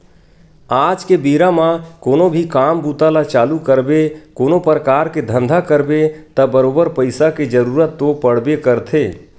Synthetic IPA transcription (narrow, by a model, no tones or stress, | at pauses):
aːd͡ʒkebiːɾamãkoːnobʱikaːmbuːt̪alat͡ʃaːlukəɾbekoːnopɾəkaːɾked̪ʱə̃nd̪ʱakəɾbet̪ɐbəɾoːbəɾpəɪsaked͡ʒəɾuːɾət̪ːopəɽ̤bekəɾt̪ʰeː